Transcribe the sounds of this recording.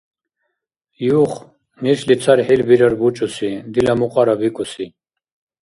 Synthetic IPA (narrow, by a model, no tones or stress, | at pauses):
juχ | nislit͡sʰaɾhilbiɾaɾbut͡ʃʼusid̪ilamuqʼaɾabikʼusi